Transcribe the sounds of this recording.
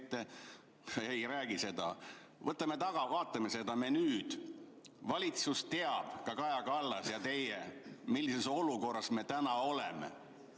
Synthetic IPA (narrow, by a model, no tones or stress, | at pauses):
t̪ˑːe | ejræːɡ̥ise̞d̪̥ɑ̰ | vɤt̪ːˑɑme̞t̪ɑɡ̥ɑvɑːt̪ːˑɑmese̞d̪̥ɑme̞nyːd̪̥ | vɑlʲit̪sust̪e̞ɑb̥kɑkɑjɑkɑlːɑsjɑt̪e̞jemilːise̞so̞luko̞rːɑsme̞t̪ænɑo̞lemḛ